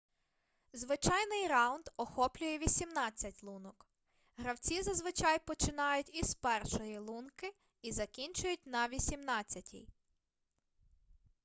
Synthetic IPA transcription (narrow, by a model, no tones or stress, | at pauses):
zʋɪt͡ʃɑjnɪjɾɑwnd̪ɔxɔplʲʊjɛʋʲisʲimnɑt͡sʲːɐtʲlˠunɔk | ɦɾɐwt͡sʲizɐzʋɪt͡ʃɑjpɔt͡ʃɪnɑjʊtʲiz̥pɛrʃɔjilˠunkɪ | izɐkʲinʲt͡ʃʊjʊtʲnɐʋʲisʲimnɑt͡sʲːɐtʲḭj